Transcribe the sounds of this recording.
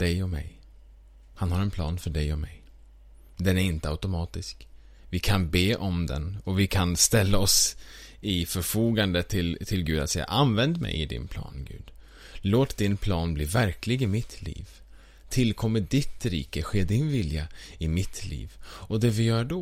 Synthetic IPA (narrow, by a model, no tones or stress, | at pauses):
d̪̥ɛjɔmɛ̰j | hanhaɾɛnpʰlɑ̰ːnfœɖɛjɔmɛ̰j | d̪ɛnæɾɪnt̪əaʉt̪ʊmɑːt̪ɪsk | vɪkʰanbeːʔɔmd̪ɛ̰nɔvɪkʰanst̪ɛlːaɔs | ɪfœɾfuːɡand̪ət̪ʰɪlt̪ʰɪlɡʉːd̪at̪sɛjːa̰ʔanvɛnd̪mɛ̰jɪd̪ɪ̰npʰlɑ̰ːnɡʉ̟̰ːd̪ | loːt̪d̪ɪnpʰlɑːnbliːvæɾklɪɡɪmɪt̪ʰlḭːv | t̪ʰɪlkʰɔmːədɪt̪ɾḭːkəɧeːd̪ɪnvɪljaɪmɪt̪ʰlḭːvɔd̪ɛvɪjœːɖɔ